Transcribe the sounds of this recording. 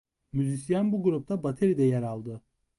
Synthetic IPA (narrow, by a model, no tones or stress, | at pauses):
myzisijanbuɡuɾup̚t̪ʰabat̪ʰeɾid̪ɛjɛɾalˠd̪ɯ